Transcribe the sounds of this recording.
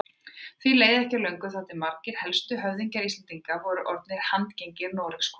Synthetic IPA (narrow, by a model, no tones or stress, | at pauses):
θvileːjðɛhcalœɥŋkʏθaht̪ɪmaɾcɪɾ̥hɛlst̪ʏɦœvðiɲcaɾist̪ant̪iŋkavɔɾʏʔɔɾt̪̚nɪɾ̥hant̪cejɲcɪɾnɔːɾɪkskɔ̥